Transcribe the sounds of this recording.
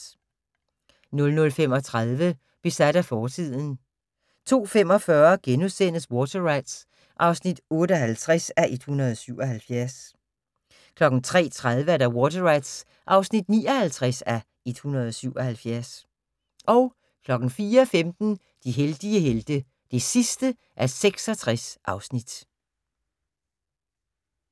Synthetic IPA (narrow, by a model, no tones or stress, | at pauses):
nɔ̽lnɔ̽lfem̰ɒ̽t͡sʰʁaðˠʋə | b̥e̝sæd̥æfɒːt͡sʰið̞̰ˠn̩ | t͡sʰo̝̰ːfemɒ̽fɶɐɡ̥enusen̰əswɔːt͡sʰɐʁɑ̈ɪd̥s | ʔɑ̈ʊsnid̥ɔ̽ːɾəɒhælt͡sʰʁɛsæʔed̥hunɐðˠɒ̽syʊ̰ɒ̽ɦælfjæɐs | kʰlɒ̽ɡ̥n̩t͡sʰʁɛ̰ːt͡sʰʁað̞ˠʋəæɐɾæwɔːt͡sʰɐʁɑ̈ɪd̥s | ʔɑ̈ʊsnid̥nḭːɒ̽hælt͡sʰʁasæ | e̝d̥hunɐð̞ˠɒ̽syʊ̰ɒ̽hælfjæɐs | ʔɒ̽ʊ | kʰlɒ̽ɡ̥n̩fiːɐfemd̥n̩ | d̥iɦeld̥iəɦeld̥ə | d̥e̝sisd̥ə | ʔæɐseɡ̥sɒ̽t͡sʰʁasʔɑ̈ʊsnid̥